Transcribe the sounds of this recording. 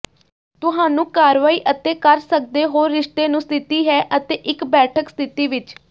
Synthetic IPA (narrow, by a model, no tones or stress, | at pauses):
t̪ʊɦãːnũːkaːɾʋaːiːʔət̪eːkəɾsək̚d̪eːɦoːɾːɪʂt̪eːnũːst̪ʰɪt̪iːɦɛːʔət̪eːʔɪkbɛːʈʰəkst̪ʰɪt̪iːʋɪt͡ʃ